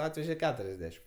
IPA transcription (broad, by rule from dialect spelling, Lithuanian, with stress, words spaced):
ˈɑːtʲʋʲɛʒʲɛ ˈkʲæːtʊrʲɛzʲˌdʲæːʃʲɪm